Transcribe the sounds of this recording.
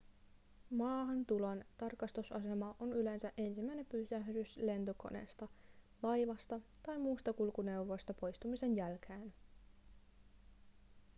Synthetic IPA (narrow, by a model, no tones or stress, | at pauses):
mɑːɦɑnt̪ulont̪ɑrkɑst̪usɑse̞mɑʔonyle̞nsæʔe̞nsimːæjne̞mpysæhdysle̞nt̪oko̞̰nḛst̪ɑ | lɑjʋɑst̪ɑt̪ɑjmuːst̪ɑkulkune̞uwʋo̞jst̪ɑpo̞jst̪umise̞njælk̟ʰæːn